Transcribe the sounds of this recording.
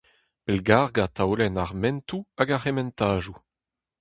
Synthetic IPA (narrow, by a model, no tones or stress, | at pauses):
pɛlɡaːʁɡat̪ʰawlɛnaʁmɛ̃ntuaɡaʁemɛ̃ntaːʒu